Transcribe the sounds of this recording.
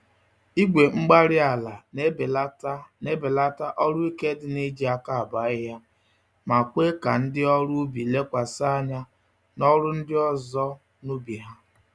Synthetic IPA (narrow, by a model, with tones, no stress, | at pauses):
i˦ɡʷe˨ŋ͡m̩˦ɡ͡ba˦ɾɪ˦a˨la˨˦˨la˦tne˦be˨la˦ta˦ʔɔ˦ɾʊ˦i˦ke˦dɪ˨ne˦d͡ʒi˦a˦ka˦a˨ba˨˦ɪ˦ɦa˦ | ma˨kʷe˦ka̰˨n̩˦dɪ˦ɔ˦ɾu˦bi˨le˦kʷa˨sa˦a˦ɲa˦ | nɔ˦ɾʊ˦n̩˦dɪ˦ɔ˦zɔ˦ | nu˦bi˨ɦa˦